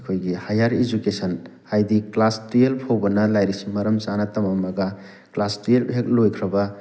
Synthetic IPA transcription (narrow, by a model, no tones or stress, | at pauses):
kʰojɡihajaɾid͡ʒukesɐn | ajdiklastijelpʰowbɐnɐlajɾisimɐɾɐmt͡ʃanɐtɐmɐmɐɡɐ | klastɾijelbʰek̚lojkʰɾɐbɐ